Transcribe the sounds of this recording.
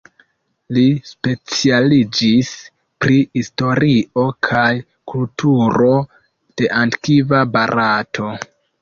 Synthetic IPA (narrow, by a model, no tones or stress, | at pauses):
lispe̞t͡sialid͡ʒis | pɾihisto̞ɾio̞kʰaj | kultʰuɾo̞ | d̥e̞ʔantkivabaɾʔatʰo̞